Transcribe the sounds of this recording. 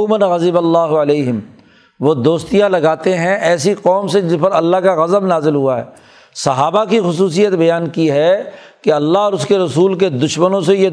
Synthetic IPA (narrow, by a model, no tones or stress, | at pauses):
mənɣɐzɪbɐlːaːɦʊɐleːɦɪm | ʋod̪oːst̪ijãlɐɡaːt̪eɦɛ̃ʔɛːsiqɔːmsed͡ʒɪspɐɾɐlːaɦkaɣɐzəbnaːzɪlɦʊaɦɛ̰ː | sɐɦaːbakixʊs̬uːs̬ijət̪bɐjaːnkiɦɛkeɐlːaɦɔːɾʊskeɾɐsuːlk̬ed̪ʊʃmənõseje